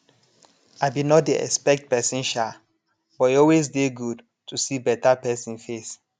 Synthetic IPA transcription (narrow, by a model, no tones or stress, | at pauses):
aɪbinɔt̚diɛ̰kspɛk̚t̚pɛsĩnʃa | bɔtɔlwezdeɡud | tʰusibɛtapɛsĩnfes